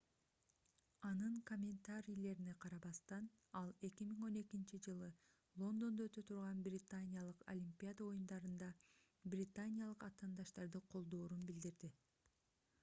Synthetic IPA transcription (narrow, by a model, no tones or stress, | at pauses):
ɑnɯŋkomʲent̪aɾʲijle̞ɾine̞qʰɑɾɑβɑst̪ɑn | ɑlˠe̞kʲimiŋo̞ne̞kint͡ʃid͡ʒɯlˠɯ | lˠo̞nd̪o̞nd̪oøt̪øt̪ʰuɾʁɑnbrʲɪt̪anʲɪjalˠɯqo̰lʲimʲpʲiad̪ao̞jund̪ɑɾɯnd̪ɑ | brʲɪt̪anʲɪjalˠɯqɑt̪ɑːnd̪ɑʃt̪ɑɾd̪ɯqʰo̞lˠd̪o̞ːɾunbild̪iɾd̪i